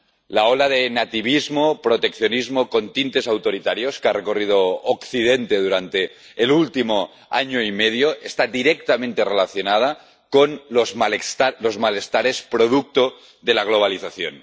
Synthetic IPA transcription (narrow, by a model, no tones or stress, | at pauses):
laolaðenat̪iβ̞izmopɾot̪ekθjonizmoko̞nt̪int̪e̞sawt̪oɾit̪aɾjoskarʔekorið̞ookθið̞ent̪e̞ðuɾant̪e̞ː | lult̪imo | aɲoimeðjoʔest̪ad̪iɾek̚t̪amẽnt̪e̞relaθjonað̞a | konlozmalest̪alozmale̞st̪aɾe̞spɾoð̞uk̚t̪o | ðelaɣ̞lo̞β̞aliθaθjo̰n